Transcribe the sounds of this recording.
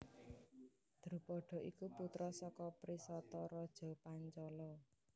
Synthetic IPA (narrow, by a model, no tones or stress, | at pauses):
d̪̥ɾupɔɖ̥ɔ̤ʔikuput̪ɾɔsɔkɔpɾisɔt̪ɔɾɔd̥ʒ̥ɔ̤paɲt͡ʃɔlɔ